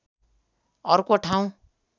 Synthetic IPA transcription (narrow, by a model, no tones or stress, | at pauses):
ʌrkoʈʰaw̃